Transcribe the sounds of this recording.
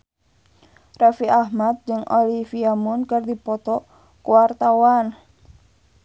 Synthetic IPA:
rafiʔahmat̪̚d͡ʒɨŋʔo̰lifiamunkərdipɔt̪ɔ | kuwart̪awan

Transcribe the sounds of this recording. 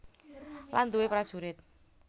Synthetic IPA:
land̪uwepɾad̥ʒ̥uɾɪt̪̚

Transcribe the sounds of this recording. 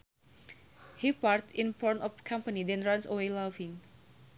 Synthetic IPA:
hipaɹtĩnpɔnɔfkʰãmpənidɛ̃nɹãnsəwelavĩŋ

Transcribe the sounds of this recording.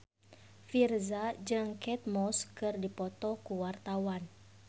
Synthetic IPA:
firzad͡ʒɨŋkɛt̪̚mɔskɨrdipɔt̪ɔkuwart̪awan

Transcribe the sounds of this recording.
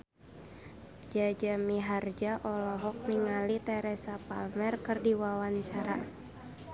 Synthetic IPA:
d͡ʒad͡ʒamiɦard͡ʒaʔɔlɔɦɔk̚niŋalit̪ɛɾɛsapalmɛrkɨrdiwawaɲt͡ʃaɾa̰

